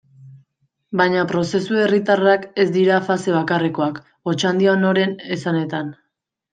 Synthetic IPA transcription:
bajɲapɾo̞se̞sue̞rit̪arake̞zd̪iɾafase̞β̞akareko̞ak | o̞t͡ʃand̪iano̞ɾe̞ne̞sane̞t̪an

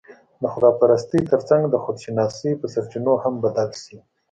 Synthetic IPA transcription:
d̪əxʊd̪ɑpaɾast̪it̪əɾt͡saŋɡd̪əxod̪ʃɪnɑsipəsaɾt͡ʃinohambad̪alʃi

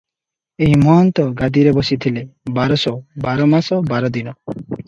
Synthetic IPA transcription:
eɦimɔɦɔnt̪ɔɡad̪iɾebɔsit̪ʰilebaɾɔsɔbaɾɔmasɔbaɾɔd̪inɔ

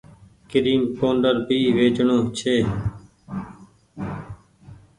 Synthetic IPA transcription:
kɪɾiːmpoːɳɖəɾbiːʋeːt͡ʃɳõːt͡ʃʰeː

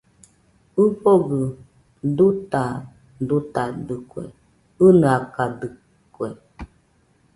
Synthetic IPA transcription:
ɨɸoɡə | duta | dutadɨkwɛ̰ | ɨnəakadɨ | kwɛ

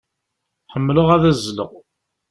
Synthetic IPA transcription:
ħəmːləʁæðæzlə̰ʁ

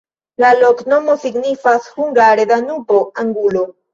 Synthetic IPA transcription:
lalo̞kno̞mo̞siɡnifashuŋɡaɾed̪anupoaŋɡulo

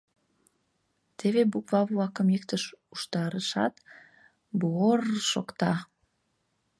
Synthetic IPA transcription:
t̪eβebukβɑβlɑkəmjek̚t̪əʃuʃt̪ɑɾəʃɑ̰t̪ | buorʃo̰kt̪ɑ

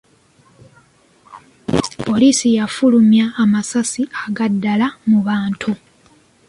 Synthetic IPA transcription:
po̞liːsijafulumjaːmasasiaɡadːalamuβaːntʰu

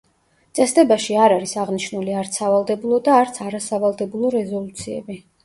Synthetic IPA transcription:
t̪sʼɛsd̪ɛbaʃiaɾaɾisaʁniʃnuliaɾt̪sʰavalˠd̪ɛbulˠɔd̪aːɾt̪sʰaɾasavalˠd̪ɛbulˠɔɾɛzɔlˠut̪sʰiɛ̰bi

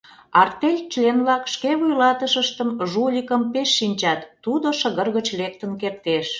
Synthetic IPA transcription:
ɑrt̪elʲt͡ɕlenβlɑkʃkeβujlɑt̪əʃəʃt̪əmʒulʲikəmpeʃːinʲt͡ɕɑt̪ːud̪oʃəɣərɣət͡ɕlek̚t̪ənkert̪eʃ

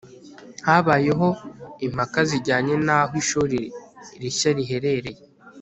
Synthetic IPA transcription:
haβaje̞ɦo̞im̥hakaziɟaːɲe̞naɦwiʃuɾiɾiɾiʃaɾiɦe̞ɾe̞ɾe̞je

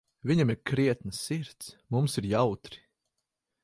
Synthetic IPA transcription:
viɲamiɾkɾiɛt̪nɨsːiɾt̪smumsiɾjawt̪ɾi̥

